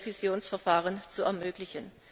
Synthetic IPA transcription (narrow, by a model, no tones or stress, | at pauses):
fizjoːnsfɛɐfaːʁənt͡suɛɐmøːklɪçən